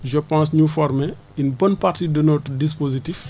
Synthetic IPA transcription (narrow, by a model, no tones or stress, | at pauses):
ʒɔpãns̬ɲufɔɾmɛ | inbɐnpaɾtidɔnotdis̬pozitif